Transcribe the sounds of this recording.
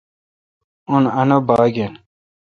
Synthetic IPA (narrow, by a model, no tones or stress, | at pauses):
unɐnobaːɡen